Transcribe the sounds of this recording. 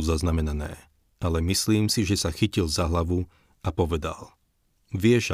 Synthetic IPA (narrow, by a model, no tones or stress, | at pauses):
uzaznamɛnanɛ̰ː | alɛmisliːmsiʒɛsaxicilzaɦlaʋu | apɔʋɛd̪a̰l | ʋɪɛʒ